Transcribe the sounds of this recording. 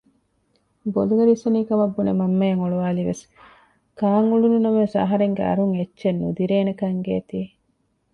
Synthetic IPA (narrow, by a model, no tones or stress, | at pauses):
boluɡɐɾisɐniːkɐmɐbːunemɐmːɐjeŋoɭuʋaːliʋḛs | kaːŋulununɐmesɐ̰ɦɐɾeŋɡeɐ̰ɾuŋet͡ʃːʃenːud̪iɾeːnekɐŋɡeːt̪iː